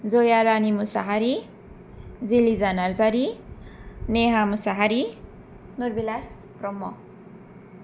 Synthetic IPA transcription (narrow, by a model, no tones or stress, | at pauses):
d͡zojaɾanimusa̰ɦaɾi | d͡zilizanaɾd͡zaɾi | neɦamusaɦaɾi | nuɾbilas | prɔmːɔ